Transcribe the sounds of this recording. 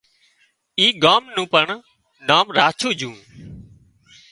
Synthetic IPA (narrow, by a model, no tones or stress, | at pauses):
iːɠaːmnũːpəɳ | naːmɾaːt͡ʃʰuːd͡ʒũː